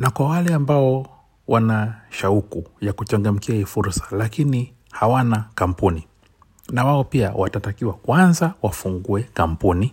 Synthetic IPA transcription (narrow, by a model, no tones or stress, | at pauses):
nakwawalɛambaɔ | wanaʃaukujakut͡ʃaŋɡam̩kiaifuɾsḁlakini | hawanakam̩puni | nawaɔpia̰watatakiwakwanzawafuŋɡuɛkam̩puni